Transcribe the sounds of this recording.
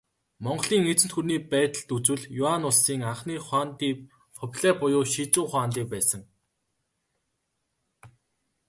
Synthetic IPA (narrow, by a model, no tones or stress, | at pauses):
mɔɴɢɮiːŋet͡sɘ̆nt̪xurniːpæːt̪ə̆ɮt̪ut͡swɘ̆ɮjʊanʊɮsiːŋaɴχniːχwaːnt̪iːk | fʰɔpɮæːpʊjʊːʃit͡sʊːχwaːnt̪iːk̚pæːsə̆ŋ